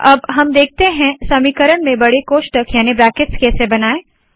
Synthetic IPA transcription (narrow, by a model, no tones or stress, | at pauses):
ɐbɦɐmd̪eːk̚t̪eɦɛ̃sɐmiːkəɾəɳmẽbɐɽekoːʃʈəkjaːnibɾæːkɪʈskɛːsebɐnaːeː